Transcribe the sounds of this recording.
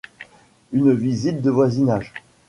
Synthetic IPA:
ynvizit̪̚d̪əvwazinaʒ

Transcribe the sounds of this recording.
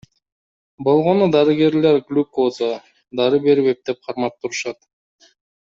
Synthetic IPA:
bo̞lˠʁo̞nud̪ɑɾɨɡe̞ɾle̞ɾɡlʲukoza | d̪ɑɾɯbe̞ɾβep̚d̪e̞p̚qʰɑɾmɑp̚t̪ːuɾuʃɑt̪

